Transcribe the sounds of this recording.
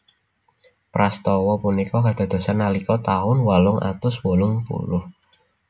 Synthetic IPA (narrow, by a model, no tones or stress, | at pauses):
pɾast̪ɔwɔpunikɔkad̪̥a̤d̪̥a̤sanːalikɔt̪aʊnwalʊŋʔa̰t̪ʊswolʊŋpṵlʊh